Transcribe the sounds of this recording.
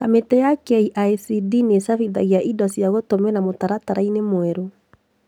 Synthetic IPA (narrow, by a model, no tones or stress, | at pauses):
kametɛjakɛiʔajsidinesafiða̰ɣiaʔidɔsijaɣotomɛnamotaɾataɾainemoɛɾo